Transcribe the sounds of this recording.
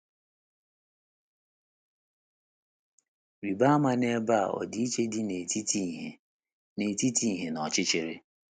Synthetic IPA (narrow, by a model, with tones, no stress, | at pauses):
wi˨ba˦ma˦ne˦ba˦a̰˨ɔ̰˨di˦i˦t͡ʃe˦dɪ˦ne˨i˦ti˦e˨ | ne˨ti˦ti˦˨ɦe˨nɔ˨t͡ʃɪ˦t͡ʃɪ˨ɾɪ˦